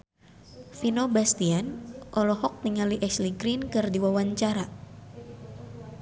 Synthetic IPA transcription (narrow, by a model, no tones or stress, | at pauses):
finobast̪ianʔɔlɔɦɔk̚niŋaliʔɛsliɡɾinkɨrdiwawaɲt͡ʃaɾa